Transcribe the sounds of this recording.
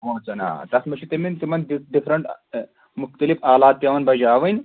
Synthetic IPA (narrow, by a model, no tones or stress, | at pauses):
ʋoːt͡sɐna̰ːt̪ɐsmɐʃʰit̪ɐmint̪imɐniɖifɾɐɳʈ | muxt̪ɐlifaːlaːt̪̚bʲjɐʋɐnbɐd͡ʒaːʋɐnʲ